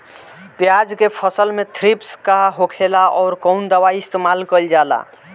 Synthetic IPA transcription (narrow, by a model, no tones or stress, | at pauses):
pjad͡ʒkepʰəsəlmet̪ʰɾipskaɦokʰelaʔɔːɾkɔʊnd̪əwaiist̪emalkəld͡ʒala̰